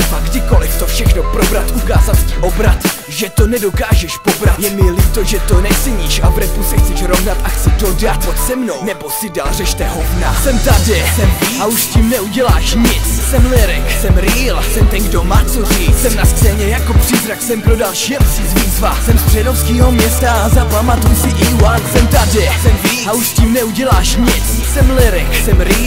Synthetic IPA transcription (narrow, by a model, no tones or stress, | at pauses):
vaɡdɪko̞lɪft̪ofʃɛxnopɾobɾat̪ʔukaːzat̪sciʔo̞bɾat̪ | ʒɛt̪onɛdo̞kaːʒɛʃpobɾat̪jɛmɪlɪt̪oʒɛt̪onɛt͡sɛɲiːʃabɾɛt̪usɛxt͡sɛʃɾovnat̪ʔaxt͡sɪdodat̪sɛmno̞wnɛbosɪdalrɛʃt̪ɛɦovnasɛmt̪adɪsɛmviauʃscimnɛuɟɛlaːʃɲɪt͡ssɛmlɪɾɛksɛmɾiːlsɛmt̪ɛnɡdomaːt͡socɪsɛmnaskz̥ɛːɲɛjakopr̥ɪzɾaksɛmpɾodalʃɛmsɪzviːzvasɛmsp̪r̥ɛdofskiːɦomɲɛst̪aazapamat̪ujsɪiwasɛmt̪adɪsɛmviauʃsciːmnɛuɟɛlaːʃɲɪt͡s | sɛmlɪɾɛksɛmɾiː